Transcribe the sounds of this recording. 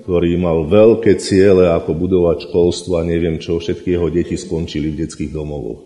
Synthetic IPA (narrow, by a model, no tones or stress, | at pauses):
kkt̪ɔɾiːmalʋɛʎkɛːt͡sɪɛlɛakɔbud̪ɔʋacʃkɔlst̪ʋɔaɲɛʋɪɛmt͡ʃɔfʃɛt̪kijɛɦɔɟɛciskɔnt͡ʃilivɟɛt͡skiːɣd̪ɔmɔʋɔ̰x